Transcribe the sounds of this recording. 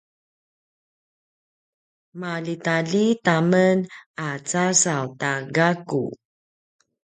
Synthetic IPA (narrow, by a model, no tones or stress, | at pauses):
malitaɮitamənat͡sasawtaɡakṵ